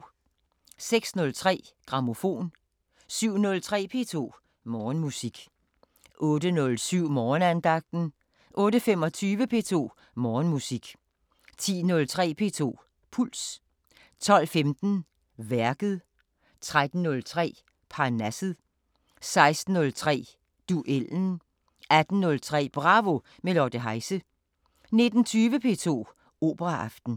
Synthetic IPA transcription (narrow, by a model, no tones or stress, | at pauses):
seɡ̥snɔ̽lt͡sʰʁɛ̰ːɡ̥ʁɑ̈mo̝fo̝̰ːn | syʊ̰nɔ̽lt͡sʰʁɛ̰ːpʰe̝̰ːt͡sʰo̝̰ː | mɒːnmusiɡ̥ | ʔɔ̽ːd̥ənɔ̽lsyʊ̰mɒːnænd̥ɑ̈ɡ̥̚d̥n̩ | ʔɔ̽ːɾəfemɒ̽t͡sʰyːʋəpʰe̝t͡sʰo̝̰ː | mɒːnmusiɡ̥ | t͡sʰḭːnɔ̽lt͡sʰʁɛ̰ːpʰe̝̰t͡sʰo̝̰ː | pʰul̰s | t͡sʰɒ̽l̰femd̥n̩ | ʋæɐɡ̥ð̩ˠ | t͡sʰʁad̥n̩ːɔlt͡sʰʁɛ̰ː | pʰɑ̈næsð̩ˠ | sɑ̈ɪsd̥n̩ɔ̽lt͡sʰʁɛ̰ː | d̥uʔeln̩ | æd̥n̩nɔ̽lt͡sʰʁɛ̰ːb̥ʁɑ̈ːʋo̝ | melɒd̥əɦɑ̈ɪsə | ne̝d̥n̩t͡sʰyːʋəpʰe̝̰ːt͡sʰo̝̰ː | o̝̰ːb̥əʁɑʔɑ̈fd̥n̩